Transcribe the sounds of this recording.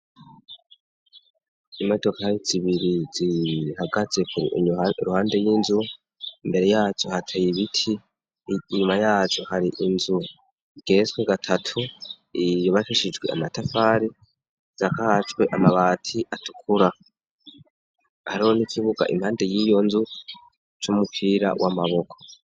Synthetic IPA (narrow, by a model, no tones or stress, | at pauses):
imoto̞kajiziβiɾizihaɡat͡se̞kuɾḭʔɾuhaːnde̞jinzu | imbe̞ɾe̞jaːt͡ʃohatʰajiβitʰiː | ɲumajaːt͡ʃo̞haɾiʔinzu | ɡ̥e̞ːzɡweɡatʰatʰu | ijoβafiʃid͡ʒɡwe̞̰a̰matafaːɾi | z̥akahat͡ʃwe̞ʔamaβaːtʰiʔatu̥kʰuɾa | haɾihonikʰiβuɡa̰ʔḭmhaːnde̞jiːjo̞nzu | t͡ʃomupʰiːɾa̰wʔamaβo̞kʰo̥